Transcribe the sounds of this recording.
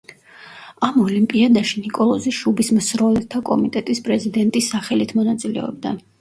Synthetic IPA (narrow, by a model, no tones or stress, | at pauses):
amɔlimpʼiad̪aʃinikʼɔlˠɔziʃubismsɾɔlɛt̪ʰakʼɔ̰mit̪ʼɛt̪ʼispʼɾɛzid̪ɛnt̪ʼisːaχɛlit̪ʰmɔnat̪sʼilɛ̰ɔ̰b̚d̪a̰